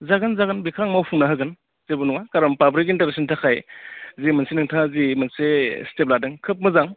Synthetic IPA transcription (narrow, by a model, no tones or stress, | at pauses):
zaɡɯnzaɡɯnbikʰɾaŋmawpʰuŋnaɦaɡɯn | zebunuŋakaɾampabɾik̬intaɾesɔntʰakʰajzimɐnsenɯŋtʰazimɐnsestep̬̚ladɯŋkʰɯp̬̚mɯzaŋ